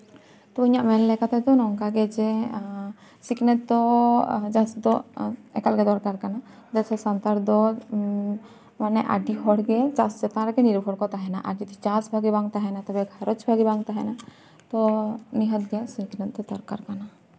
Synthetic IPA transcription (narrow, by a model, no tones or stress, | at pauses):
t̪ɔbiɲaʔmɛlːɛkat̪ɛd̪ɔnɔŋkaɡɛd͡ʒɛ | siknɛt̪̚d̪ɔd͡ʒasd̪ɔɛkalɡɛd̪ɔɾkaɾkanad͡ʒat͡ʃʰɛsant̪aɾd̪ɔ | manɛʔa̰ɖiɦɔɽɡɛt͡ʃassɛt̪ãɾɡɛniɾbʱɔɽkɔt̪aɦɛna̰ʔaɖit̪ɔt͡ʃasbʱaɡibaŋt̪aɦɛnat̪abɛɡʱaɾɔt͡ʃbʱaɡibaŋt̪aɦɛna | t̪ɔniɦət̪̚ɡɛsiknɛt̪̚t̪ɔd̪ɔɾkaɾkana